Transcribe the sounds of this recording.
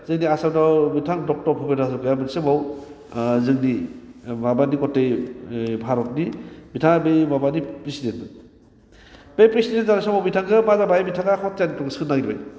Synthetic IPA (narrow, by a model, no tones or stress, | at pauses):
zɯŋniasawdawmitʰaŋdɔk̚tɔɾpʰɔpenasɯkɯjamɯnsemaw | zɯŋni | babanikɔtːejbʱaɾɔt̚nimitʰaŋbejmabanipɾisidenɯ | b̥ejpɾisidenzanasɔmawmitʰaŋkɯmazabajmitʰaŋakʰɔt̚janitɔŋsɯnːaɡiɾba̰j